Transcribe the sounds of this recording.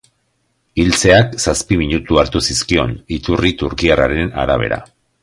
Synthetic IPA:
ilt͡se̞aksaspimiɲut̪uaɾt̪usiskio̞̰nit̪urit̪uɾkiaraɾe̞na̰ɾaβ̞e̞̰ɾa̰

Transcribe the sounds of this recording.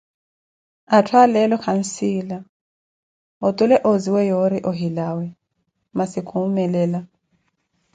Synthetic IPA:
atʰwalɛlɔkʰan̩sila | ɔtʼulɛʔoziwɛjoɾiʔɔɦilawɛ | masikʰumɛlɛːla

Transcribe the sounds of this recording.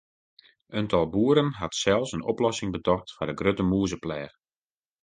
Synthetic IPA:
ʔəntʰɔlˠbuːəɾənɦatsɛlˠsənɔ̰plɔsɪŋbətɔxtfadəɡrøtəmuəzəplɛːx

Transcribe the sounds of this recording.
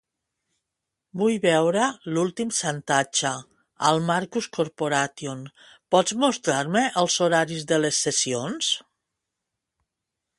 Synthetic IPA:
bujβɛwɾəlulˠt̪imsant̪at͡ʃə | əlˠmaɾkuskoɾpoɾat̪jon | pɔd͡zmust̪ɾaɾməʔəlˠzoɾaɾizðəlesːesions

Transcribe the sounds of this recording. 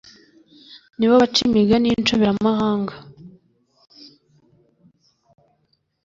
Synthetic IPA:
niβaβat͡ʃimiɡaniːnt͡ʃoβiɾamahaːŋɡa

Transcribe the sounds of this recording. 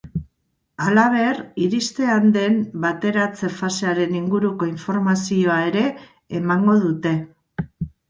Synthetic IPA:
alaβ̞e̞riɾist̪e̞and̪e̞mbat̪e̞ɾat͡se̞fase̞aɾe̞niŋɡuɾuko̞iɱfo̞ɾmasio̞ae̞ɾe̞ː | maŋɡo̞ð̞ut̪e̞

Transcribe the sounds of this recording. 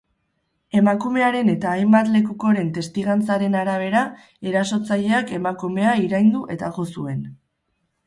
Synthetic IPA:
e̞makume̞aɾe̞ne̞t̪aːjmbat̪le̞kuko̞ɾe̞nt̪e̞st̪iɣant͡saɾe̞naɾaβ̞e̞ɾa | e̞ɾaso̞t͡saʎe̞ake̞makume̞aiɾajnd̪uʔe̞t̪aɣo̞sue̞n

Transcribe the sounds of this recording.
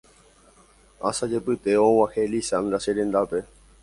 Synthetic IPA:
asad͡ʒepɨt̪eõwãhelisãnd̪ɾaseɾẽnd̪ape̞

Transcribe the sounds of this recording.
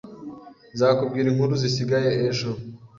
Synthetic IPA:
zaːkub̚ɡiːɾiŋ̥huɾuzisiɡajeeʒo

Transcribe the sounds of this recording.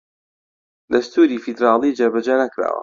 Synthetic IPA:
d̪ɐst̪uːɾiːfid̪ɾɑːlˠiːd͡ʒɐɾbɐd͡ʒanɐkɾa̰ːwɐ̰

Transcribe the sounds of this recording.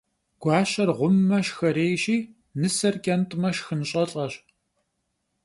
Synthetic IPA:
ɡ̥ʷɑːɕɐrʁʷʊmːɐʃxɐɾeːjɕiː | nɨsɐrkʼɐntʼmɐʃxɨnɕʼɐɬʼɐɕ

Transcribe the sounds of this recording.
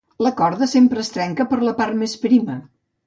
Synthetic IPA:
ləkɔɾðəsempɾəːst̪ɾɛŋkəpəɾləparmespɾimə

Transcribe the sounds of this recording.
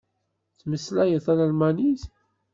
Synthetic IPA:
θməslæjəθæɾalmæniθ

